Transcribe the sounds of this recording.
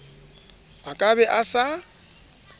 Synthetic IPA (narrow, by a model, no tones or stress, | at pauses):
akʼabɛʔasa